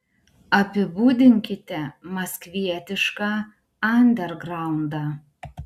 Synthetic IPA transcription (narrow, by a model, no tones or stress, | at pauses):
ɐpʲɪbuːd̪ʲɪŋʲkʲɪt̪ʲɛmɐskʋʲiɛt̪ʲɪʃkɑ | ɐnʲd̪ʲɛɾɡɾɑˑʊnd̪ɑ